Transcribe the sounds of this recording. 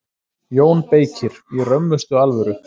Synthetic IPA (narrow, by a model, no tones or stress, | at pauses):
joːwnpeːjcʰɪɾ̥irœmːʏst̪ʏalvœɾʏ